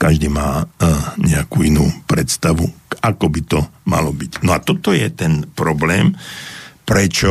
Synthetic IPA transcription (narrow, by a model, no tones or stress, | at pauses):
kaʒd̪iːmaːɲɛakuːinuːpɾɛt̪st̪aʋuakɔbit̪ɔma̰lɔbicnɔat̪ɔt̪ɔjɛt̪ɛnpɾɔblɛːm | pɾɛt͡ʃɔ